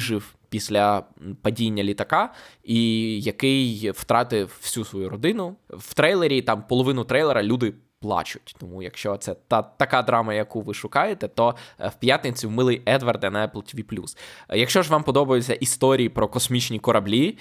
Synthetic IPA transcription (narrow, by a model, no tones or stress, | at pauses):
ʒɪw | pʲisʲlʲɐpɐdʲinʲːɐlʲit̪ɐkɑijɐkɪjw̥t̪ɾɑt̪ɪww̥sʲusʋɔjuɾɔd̪ɪnʊw̥t̪ɾɛjlˠeɾʲit̪ɑmpɔlˠɔʋɪnʊt̪ɾɛjlˠeɾɐlʲud̪ɪ | plˠɑ̰t͡ʃʊ̥tʲt̪ɔmujɐkʃt͡ʃɔt̪sɛt̪ɑt̪ɐkɑd̪ɾɑmɐjɐkuʋɪʃʊkɑjet̪ɛt̪ɔwpʲjat̪nɪt͡sʲiwmɪlˠɪjɛd̪ʋɐrd̪ɛnɐɛplˠtʲʋʲiplʲṵsjɐkʃt͡ʃɔʒʋɑmpɔd̪ɔbɐjet͡sʲːɐʔist̪ɔɾʲijipɾɔkɔsmʲit͡ʃnʲikɔɾɐblʲi